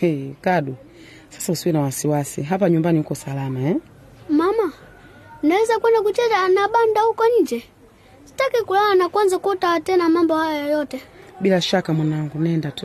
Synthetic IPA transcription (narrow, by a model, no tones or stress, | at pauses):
ɛkaɗu | sḁsausuwinawasiwasiɦapaɲumbanihukɔsalamaɛ | mama | nawɛzakwɛndakutɛtanaɓandahukɔɲd͡ʒɛ | si̥takikulawanakwanzakɔtaatɛnamambɔhajɔjɔjɔtɛbilaʃakamwanaŋɡunɛndatu